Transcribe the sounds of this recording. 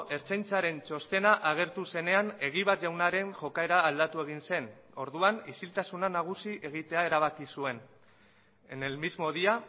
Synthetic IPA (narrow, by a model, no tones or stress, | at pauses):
ʔe̞ɾt͡sejnt͡saɾe̞nt͡ʃo̞st̪e̞naʔaɣ̞e̞ɾt̪use̞ne̞ane̞ɣ̞iβ̞aɾʝawnaɾe̞ŋʝo̞kae̞ɾaːld̪at̪ue̞ɣ̞inse̞n | o̞ɾðuanisilt̪asunanaɣ̞usiʔe̞ɣ̞it̪e̞ae̞ɾaβ̞akisue̞n | enelmizmo̞ðia